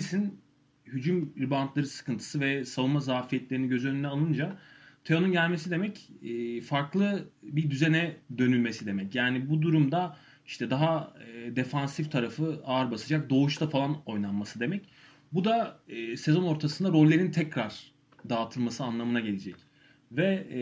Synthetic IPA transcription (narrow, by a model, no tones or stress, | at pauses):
isin | hyd͡ʒymɾibant̪lˠaɾɯsɯ̥kʰɯnt̪ʰɯ̥sɯvɛsavɯnmazaːfijɛt̪lʲeɾiniɟø̞zyø̞nynɛalˠɯnd͡ʒat̪ʰeo̞nunɟælʲme̞sid̪e̞mɛcːfaɾklˠɯbid̪yzenɛd̪ø̞nylʲme̞sid̪e̞mɛcjaːnibud̪uɾumd̪a | iʃt̪ʰɛd̪aɦad̪e̞fansift̪ʰaɾafɯaːɾbasɯd͡ʒak̚d̪o̞uʃt̪ʰafalˠano̞jnˠanmasɯd̪e̞mɛc | bud̪aːse̞zo̞no̞ɾt̪ʰasɯnd̪aɾo̞lʲːe̞ɾint̪ʰɛcɾaɾ̥ | d̪aːt̪ʰɯlˠmasɯanlˠamɯnaɟe̞lʲed͡ʒɛc | vɛ